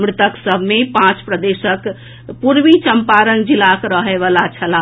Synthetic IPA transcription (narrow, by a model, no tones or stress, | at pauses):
mɾɪt̪əksəbʱmepãt͡ʃpɾəd̪esək | puɾʋit͡ʃəmpaɾənd͡ʒilakɾəɦɛʋalat͡ʃʰəla